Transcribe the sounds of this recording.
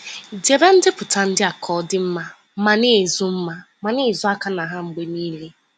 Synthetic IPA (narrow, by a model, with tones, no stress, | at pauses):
de˨be˦n̩˦dɪ˦pʊ˨ta˨˦n̩˦dɪ˦a˨kʰɔ˨˦dɪ˦m̩˦ma˦ | m̩˦ma˦ne˦˨zʊ˦m̩˦ma˦ | ma˨ne˦˨zʊ˦a˦ka˦na˨ɦa˦ŋ͡m̩˨ɡ͡be˦niː˦le˦